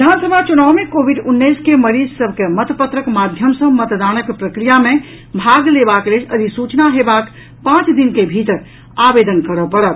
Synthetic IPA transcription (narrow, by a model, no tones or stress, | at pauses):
ʋid̪ʱansəbʱat͡ʃunawmekobʱiɖunːəskeməɾid͡ʒsəbʱkemət̪əpət̪ɾəkmad̪ʱjəmsə̃mət̪d̪anəkpɾəkɾijamẽ | bʱaɡlebakleləd̪ʱisut͡ʃnaɦebak | pãt͡ʃd̪inkebʱit̪ɾ | abed̪ənkəɾəpəɾət̪